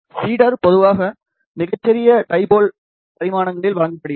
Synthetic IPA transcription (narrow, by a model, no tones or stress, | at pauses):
siːɽɐɾpɔðɯʋaːɣɐ | mɪɣɐt͡ʃːɛɾɪjɐʈɐɪboːl | pɐɾɪmaːnɐŋɡɐɭɪlʋɐɻɐŋɡɐpːɐɽɪjɐ